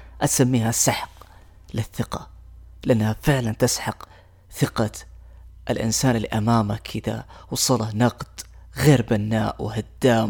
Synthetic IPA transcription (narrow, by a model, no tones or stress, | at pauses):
ʔat̪samːiːhasːaħq | lɪθːɪqɑlɪʔanːhafɪʕlant̪ɪsħɑq | θɪqɑ | ʔlʔɪ̰nsaːnɪlːḭʔamaːmakʰːɪd̪a̰wɑsˤɑlɑnɑqd̪̥ɣeːɾbanːaːʔwhad̪ːaːm